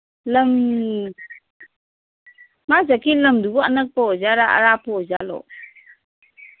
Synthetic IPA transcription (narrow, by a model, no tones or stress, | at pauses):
lam | mazakilamdubɔanək̚pɔɔzaɾaʔa̰ɾapɔzalɔ̰